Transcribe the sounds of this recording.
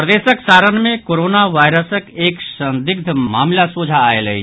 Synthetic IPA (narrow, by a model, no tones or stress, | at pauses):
pɾəd̪eːsəksaːɾənmẽkoːɾoːnaʋaːjɾəsəkeːksə̃nd̪ɪɡ̚d̪ʱmaːmlasuːd͡ʒʱaːeləi